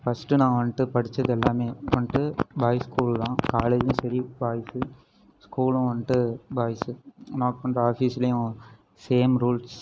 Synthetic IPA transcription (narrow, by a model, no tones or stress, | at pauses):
fɐsʈɯnãːʋɐɳʈɯpɐɽɪt͡ʃːɐðɛlːaːmeːʋɐɳʈɯbʱaːjskuːllãːkaːleːd͡ʒʊ̃sɐɾiʋaːjɐsɯ | skuːlʊ̃ʋɐɳʈɯbaːjsɯnaːkpɐɳɖɐaːfiːsɪlɐjʊ̃ | seːmɾuːls